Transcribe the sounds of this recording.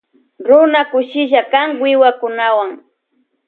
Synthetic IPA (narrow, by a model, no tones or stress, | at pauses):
ɾʊnakʊʃɪʃakaŋwɪwakʊnawaŋ